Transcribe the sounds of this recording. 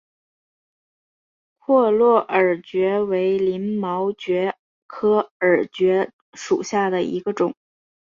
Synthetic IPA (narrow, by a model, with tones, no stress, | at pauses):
kʰwɔ˥˧lwɔ˥˩ʔə˨˩t͡ɕɥɛ˧˥we˧˥ɪli˧˥nmɑ˧˥ʊt͡ɕɥɛ˧˥ | kʰɤ˥ə˞˨˩t͡ɕɥɛ˧˥ | ʂu˨˩ɕja˥˩d̪ə˩ḭ˧˥ɡə˧ʈ͡ʂʊ˨˩˦ŋ